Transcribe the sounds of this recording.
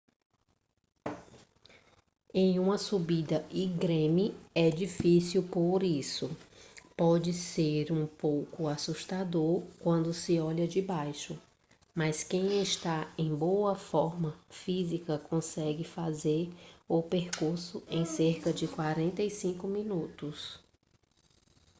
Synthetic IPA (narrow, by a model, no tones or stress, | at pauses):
ẽj̃ũmɐsubid̪ɐʔiɡɾẽmiɛd͡ʒifisiwpoɾisʊpɔd͡ʒɪseɾũpowkʊasuʃt̪ad̪oɾkwɐ̃nd̪ʊsɪɔʎɐd͡ʒɪbajʃʊ | mɐskẽj̃eʃt̪aẽj̃bowɐfɔɾmɐfizikɐkõsɛɡɪfazeɾʊpeɾkuɾsʊẽj̃seɾkɐd͡ʒɪkwaɾẽnt̪ɐjsĩŋkʊmĩnut̪ʊs